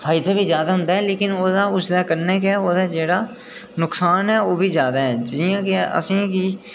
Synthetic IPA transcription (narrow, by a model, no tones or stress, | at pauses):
fʰaːɪd̪aːbiːzjaːd̪aːɦʊ̃nd̪aːɦɛːleːkɪnoːd̪aːʊsd̪aːkəɾneːkɛːoːd̪aːd͡ʒeːɽaː | nʊksaːnɦɛːoːbʱiːzjaːd̪aːɦɛːd͡ʒɪjãːkeə̰sĩːkiː